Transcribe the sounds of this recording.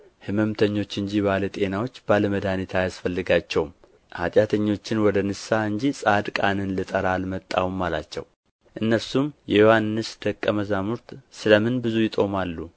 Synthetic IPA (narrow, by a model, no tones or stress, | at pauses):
hɨməmt̪ʰəɲːo̞t͡ʃːɨɲd͡ʒibalət̪ʼe̞nawo̞t͡ʃːbaləməd̪anit̪ʰajasfəlːɨɡat͡ʃːɛwm | ha̰t̪ʼjat̪ʰəɲːo̞t͡ʃːɪnwɔd̪ənɨsːaɨɲd͡ʒisʼad̪kʼanɨnlɨt̪ʼəɾalmət̪ʼːa̰wumːala̰t͡ʃːɛ̰w | ʔɨnːəsumjɛjo̞hanːɨsd̪̥əkʼːəməzamuɾt̪sɨləmɨnbɨzujɪt̪ʼo̞malːu